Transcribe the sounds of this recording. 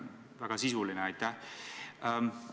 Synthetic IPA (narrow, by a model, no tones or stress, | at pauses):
væɡ̥ɑsisulinɛɑjt̪ːˑæh